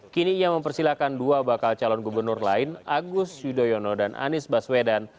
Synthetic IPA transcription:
kiniːjaməmpərsilakanduabakalt͡ʃalɔnɡubərnʊrlaɪnaɡʊsjudojɔnɔdanʔa̰nɪsbaswedan

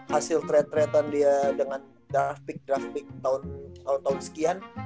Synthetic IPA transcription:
hasɪlt̪ɾɛt̪ːɾɛt̪andiadəŋan | dɾafpɪk̚dɾafpɪk̚t̪aʊnt̪aʊnt̪aʊnsə̥kian

